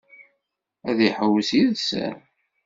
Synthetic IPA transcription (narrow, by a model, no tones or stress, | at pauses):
æðiħəwsiðsə̰ɾ